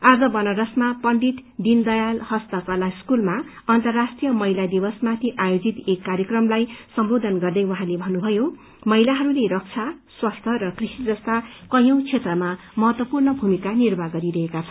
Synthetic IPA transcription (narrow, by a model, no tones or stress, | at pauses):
ad͡zʌbʌnʌɾʌsmapʌɳɖit̪d̪ind̪ʌjalhʌst̪ʌkʌlaskulma | ʌnt̪ʌrːasʈrijʌmʌɦilad̪ibʌsmat̪ʰiʔajod͡zit̪ekːarjʌkrʌmlajsʌmbod̪ʱʌnɡʌrd̪ʌjwʌɦãlebʱʌnːubʱʌjo | mʌɦilaɦʌɾuleɾʌk̚t͡sʰaswast̪ʰʌɾʌkrisid͡zʌst̪akʌjʌ̃w̃t͡sʰet̪rʌma | mʌɦʌt̪wʌpurnʌbʱumikanirbʱaɡʌɾiɾʌɦekat͡sʰʌn